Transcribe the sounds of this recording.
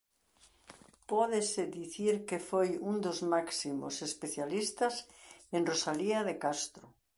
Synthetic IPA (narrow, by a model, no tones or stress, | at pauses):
pɔðeseðiθiɾkefojund̪ozmaksimo̰sespeθjalist̪ɐsenrosaliɐðekast̪ɾʊ